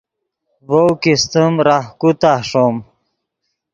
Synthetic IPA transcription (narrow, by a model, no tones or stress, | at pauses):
vowkist̪əmɾahkut̪aʂom